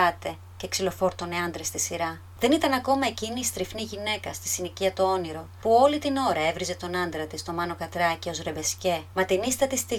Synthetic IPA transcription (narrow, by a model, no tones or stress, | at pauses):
ɐt̪e̞ | ce̞ksilo̞fo̞ɾt̪o̞ne̞ɐnd̪ɾe̞st̪isiɾɐ | ðe̞nit̪ɐnɐko̞mɐe̞ciniːst̪ɾifniʝine̞kɐst̪i̥siniciɐt̪oo̞niɾo̞puo̞lit̪ino̞ɾɐe̞vɾize̞t̪o̞nɐnd̪ɾɐt̪ist̪o̞mɐno̞kɐt̪ɾɐcio̞zɾe̞be̞sce̞mɐt̪inist̪ɐt̪ist̪i